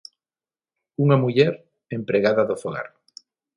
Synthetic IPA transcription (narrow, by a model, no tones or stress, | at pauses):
uŋamuʎeɾ | empɾeɣaðaðoθoɣa̰ɾ